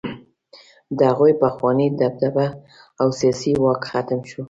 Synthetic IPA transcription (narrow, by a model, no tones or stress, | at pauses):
d̪əaɣujpaxwɑnid̪ab̚d̪aba | awsijɑsiwɑkxat̪əmʃu